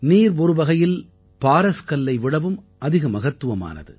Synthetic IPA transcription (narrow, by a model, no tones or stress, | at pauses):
niːɾɔɾɯʋɐɣɐjɪl | paːɾɐskɐlːɐɪʋɪɽɐʋɯm | ʔɐðɪɣɐmɐɣɐt̪ːɯʋɐma̰ːnɐ̰ðɯ̰